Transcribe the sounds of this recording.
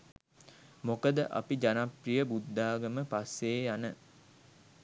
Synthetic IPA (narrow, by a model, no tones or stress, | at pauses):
mokəd̪əʔa̰pid͡ʒanaprijəbud̪ʱːaːɡəməpasːeːjanə